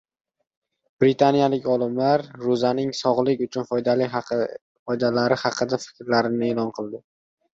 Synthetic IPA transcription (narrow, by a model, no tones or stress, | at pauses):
b̥ɾɪt̪ʰanijalɪkʲɒlˠɪmlaɾːʊzanɪŋsɒʁlˠɪkʲʊt͡ʃʰʊnfjd̪alɪ | fɒjd̪alaɾɪhɑqʰɨd̪afɪ̥kʲɾlaɾɪnɪeːlɒnqʰɨlˠd̪ɪ